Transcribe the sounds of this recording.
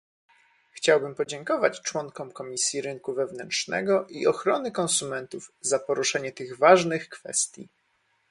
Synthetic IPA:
xt͡ɕawbɘmpɔd͡ʑɛŋkɔvat͡ɕt͡ʂwɔŋkɔmkɔmʲisʲjiɾɘŋkuvɛvnɛntʂnɛ̰ɡɔʔiɔxɾɔnɘkɔ̃nsumɛnt̪uvzapɔɾuʂɛɲɛt̪ɘɣvaʐnɘxkfɛ̰st̪ʲjḭ

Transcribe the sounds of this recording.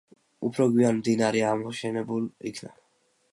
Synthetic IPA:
upʰɾɔɡwianmd̪inaɾɛamɔʃɛnɛbulḭkʰna

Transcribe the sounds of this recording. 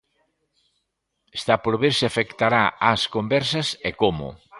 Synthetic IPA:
e̥st̪apoɾβeɾsɪafekt̪aɾaaskombɛɾsɐsekomʊ̰

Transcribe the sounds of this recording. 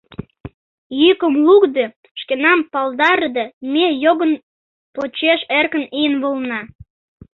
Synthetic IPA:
jykəmlukd̪e | ʃkenɑmpɑld̪ɑrd̪emejoɣən | pot͡ɕeʃerkə̆nijənβolnɑ

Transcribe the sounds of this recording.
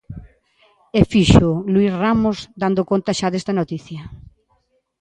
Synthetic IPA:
efiʃʊlwisramʊzd̪and̪ʊkont̪ɐʃaðest̪ɐnot̪iθjɐ

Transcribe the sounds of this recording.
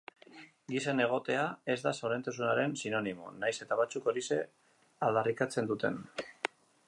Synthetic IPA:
ɡisene̞ɣ̞o̞t̪e̞ae̞zd̪aso̞ɾe̞nt̪as̬unaɾe̞nsino̞nimo̞̰najse̞t̪aβat͡suko̞ɾise̞ | ald̪arikat͡se̞nd̪ut̪e̞̰n

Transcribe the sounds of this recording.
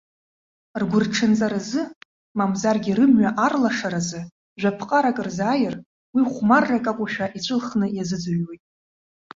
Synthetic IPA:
rɡʷʊrʈ͡ʂʰɨnt͡sʼaɾazɨ | mamzarɡʲiɾɨmɥaʔarlaʂaɾazɨ | ʒᶣʷapʰqʼaɾakʼrzaːjɪr | wiχʷmarːakʼakʷʼaʃᶣaʔit͡ɕʷʼɨlχnɨjazɨd͡zaɥwejtʼ

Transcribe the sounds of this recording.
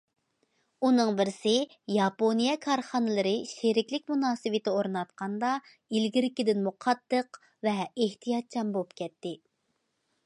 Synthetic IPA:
unɨŋbɪɾsɪ | jɑponijɛkʰɑɾχɑnɨlˠɨɾɨʃeɾɪkʲlɪkʲmunɑːsɨwɪt̪ɪoɾnɑt̪̚qʰɑnd̪ɑ | ilɡʲiɾɪkʲid̪ɪnmuqʰɑt̪ːəq | vɛeht̪ʰijɑt̪̚t͡ʃʰɑmbolˠupkʲɛt̪ːɪ

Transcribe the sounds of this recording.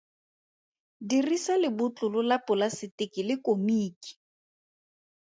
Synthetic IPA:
dirisalɪbʊt͡ɬʼʊlʊlapʼʊlasɪtɪkɪlɪkʼomiːki̥

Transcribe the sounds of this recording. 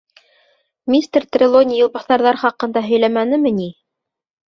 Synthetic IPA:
mʲist̪rt̪rʲɪlˠonʲɪjŏlˠbɑθɑɾðɑɾχɑqɤ̆nd̪ɑɦɵ̆jlæmænɘ̆mɘni

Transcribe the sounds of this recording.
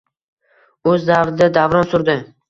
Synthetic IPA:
ɵzːavɾɪd̪ad̪avɾɒnsʊɾd̪ɪ

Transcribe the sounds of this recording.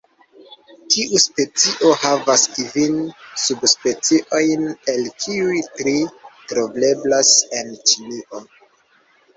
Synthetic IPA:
tiʔuspe̞t͡siʔo̞havaskivinsubspe̞t͡siʔo̞jne̞lkʰiujtɾitɾoble̞blase̞nt͡ʃiniʔo̞

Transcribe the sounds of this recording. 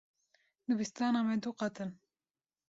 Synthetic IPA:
d̪ɨbist̪aːnamɛd̪uqɑt̪ɨn

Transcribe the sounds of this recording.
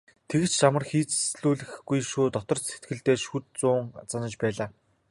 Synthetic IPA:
t̪ʰeɣɘ̆t͡ɕt͡ɕamə̆rxiːt͡ssɮuːɮɘ̆xɡujʃuːt̪ɔt̪ɞ̆r̥set̪ɡɘ̆ɮt̪eːʃut̪̚t͡sʊːŋt͡sanə̆t͡ɕpæːɮaː

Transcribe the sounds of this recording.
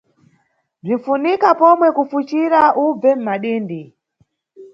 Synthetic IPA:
b͡ʐiɱ̩funikapomwekufut͡ʃiɾaʔub͡vem̩maɗiːndi

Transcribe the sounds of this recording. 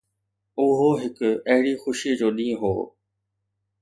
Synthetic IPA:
ʊɦoɦɪkʊɐɦɪɽixʊʃid͡ʑoːɗĩːɦo̰ː

